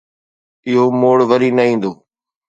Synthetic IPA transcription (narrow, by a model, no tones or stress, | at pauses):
ɪɦomoːɽʋəɾiːnɐĩːn̆d̪oː